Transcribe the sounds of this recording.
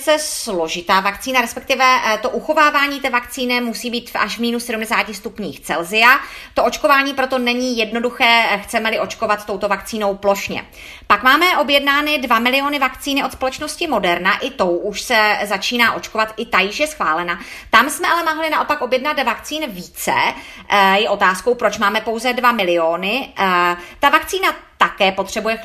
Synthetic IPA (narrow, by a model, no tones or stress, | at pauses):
t͡sɛslo̞ʒɪt̪aːvakt͡siːnaɾɛspɛk̚t̪ɪvɛt̪o̞ʔuxo̞vaːvaːɲiːt̪ɛːvakt͡siːnɪmusiːbiːt̪va̰ʃvmiːnusɛdumdɛsaːcɪst̪upɲiːxt͡sɛlzɪjat̪o̞ʔo̞t͡ʃko̞vaːɲiːpɾo̞t̪o̞nɛɲiːjɛdno̞duxɛːxt͡sɛmɛlɪʔo̞t͡ʃko̞vat̪t̪owt̪ovakt͡siːno̞wplo̞ʃɲɛ̰ | pakmaːmɛʔo̞bjɛdnaːnɪdvamɪlɪo̞ːnɪvakt͡siːnɪʔot̪spolɛt͡ʃno̞scɪmo̞dɛɾnaʔɪt̪o̞wʔuʃsɛzat͡ʃiːnaːʔo̞t͡ʃko̞vat̪ʔɪt̪ajɪʃjɛsxvaːlɛnat̪amsmɛʔalɛmoɦlɪnaʔo̞pako̞bjɛdnat̪vakt͡siːnviːt͡sɛ̰ | jɛʔo̞t̪aːsko̞wpɾot͡ʃmaːmɛpo̞wzɛdvamɪlɪo̞ːnɪ | t̪avakt͡siːnat̪akɛːpo̞t̪r̝̥ɛbujɛ